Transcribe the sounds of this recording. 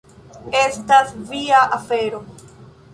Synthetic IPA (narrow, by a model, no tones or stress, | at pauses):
e̞stasviaʔafe̞ɾo̞